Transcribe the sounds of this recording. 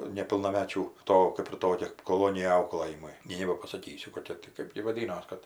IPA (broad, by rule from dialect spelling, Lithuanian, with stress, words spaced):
nʲɛpʲɪlˠnɐˈmʲæːt͡ʃʲuː ˈtoː kɜp ɪr ˈtoːkʲɛ koːˈlˠoːnʲɪjɛ ˈɐʊklˠɘjɪmʊɪ ˈnʲɛɪ nʲɛbɐpɐsɐˈkʲiːsʲʊ koːˈkʲɛ tʲɪ kɜp ɡʲɪ ʋɐˈdʲiːnoːs ˈkɐt